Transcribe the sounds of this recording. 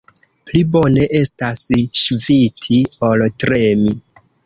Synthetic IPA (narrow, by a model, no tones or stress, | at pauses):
plibone̞ʔe̞stasʃvitʰioltɾemi